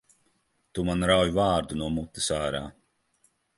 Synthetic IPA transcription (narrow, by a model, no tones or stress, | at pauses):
t̪umanɾawjuvaːɾd̪unuɔmut̪ːɨ̥saːɾa̰ː